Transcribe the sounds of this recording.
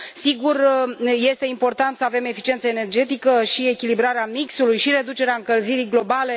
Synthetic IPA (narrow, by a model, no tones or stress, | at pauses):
siɡurje̞st̪e̞impo̞rt̪ant̪səave̞me̞fit͡ʃie̞nt̪səene̞rd͡ʒe̞t̪ikəʃie̞kʲilibɾaɾeamiksulujʃiɾe̞d̪ut͡ʃeɾeaɨŋkəlziɾiɡlo̞bale̞